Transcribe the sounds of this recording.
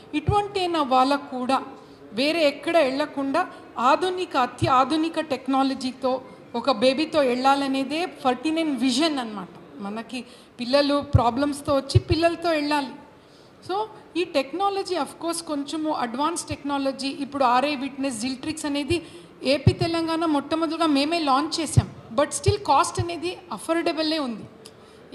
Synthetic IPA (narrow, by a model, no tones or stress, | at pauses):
iʈuʋɐɳʈiɐjnɐʋaːɭːɐkuːɽaː | ʋe̞ːɾe̞ːɛkːɐɽɐɛɭːɐkuɳɖaː | aːd̪ʱunikɐːt̪ʰjɐaːd̪ʱunikɐʈeknaːlɐd͡ʒiːt̪o̞ː | ɔkɐbe̞ːbit̪o̞ːɛɭːaːlɐne̞ːd̪e̞ːpʰɐɾʈinɐnʋiʃɐnɐnɐmaːʈɐmɐnɐki | pilːɐlupɾaːblɐmst̪oːʋɐt͡ʃːipilːɐlɐt̪o̞ːɛɭːaːli | so̞ːiːʈeknaːlod͡ʒiːɐpʰko̞ːɾsko̞ɲt͡ʃemuʔɐɖʋaːnsʈeknaːlod͡ʒiːʔipːuɽuaːɾeːʋiʈnes̬ɖilʈɾiksɐne̞ːd̪i | eːpiːt̪ɛlɐŋɡaːnɐmɔt̪ːɐmɐd̪ɐlɡaːme̞ːme̞ːlaːɲt͡ʃt͡ʃɛːsaːmbɐʈsʈilkaːsʈɐneːd̪iɐpʰɐɾɖebɐle̞ːund̪i